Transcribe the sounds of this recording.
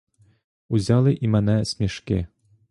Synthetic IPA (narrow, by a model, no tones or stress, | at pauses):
uzʲalˠɨʔimanɛsʲmʲɛʂkʲɛ